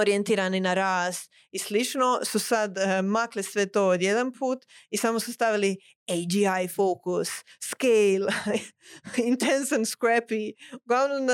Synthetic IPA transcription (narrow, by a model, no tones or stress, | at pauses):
oɾijent̪iːɾaninaɾaːst̪ | islit͡ʃnosusad̪maklisʋet̪oːod̪jed̪anpʰuːt̪isamosust̪aʋili | ejd͡ʒiajfoːkusːkel | int̪ensanskɾepiuɡlˠaʋnom